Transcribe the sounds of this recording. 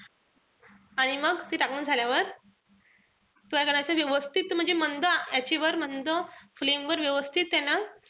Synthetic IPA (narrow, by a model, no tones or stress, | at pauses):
aɽ̃iməɡt̪iːʈakuːnd͡zʱaljaʋəɾ | t̪ujakəɾat͡səʋjəʋəst̪ʰit̪m̤əɳd͡zemənd̪əjat͡ɕeʋəɾm̤ənt̪oflemʋəɾʋjəʋəst̪ʰit̪ːɛna